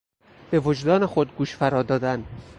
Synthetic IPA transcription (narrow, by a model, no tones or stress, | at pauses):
b̥e̞vod͡ʒd̪ɒːnexod̪̚ɡuːʃfæɾɒːd̪ɒːd̪æn